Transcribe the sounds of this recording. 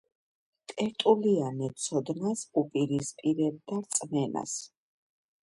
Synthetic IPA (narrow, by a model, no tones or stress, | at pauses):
t̪ʼɛɾt̪ʼulianɛt̪sʰɔd̪nasupʼiɾispʼiɾɛb̚d̪aɾt̪sʼmɛna̰s